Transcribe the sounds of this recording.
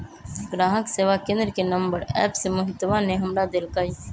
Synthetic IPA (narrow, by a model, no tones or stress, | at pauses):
ɡɾaːɦəkseːʋakẽːnd̪ɾəkenɐ̃mbəɾɛ̰ːpsemʊɦɪt̪ʋaneɦɐmɽad̪elkaːi